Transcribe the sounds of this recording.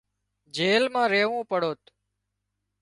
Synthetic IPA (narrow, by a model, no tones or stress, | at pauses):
d͡ʒeːlmãːɾeːʋũːpəɽ̤oːt̪